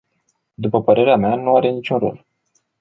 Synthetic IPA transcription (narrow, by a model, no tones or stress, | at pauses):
d̪upəpəɾe̞ɾeameanuaɾe̞nit͡ʃʲunro̰l